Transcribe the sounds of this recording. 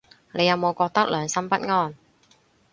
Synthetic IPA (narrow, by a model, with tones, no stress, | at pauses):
nʔe˨˧jɐ˨˧wmo˨˧wkɔː˧k̚t̪ɐ˥k̚lœː˨˧ŋsɐ˥mpɐ˥t̚ŋɔː˥˩n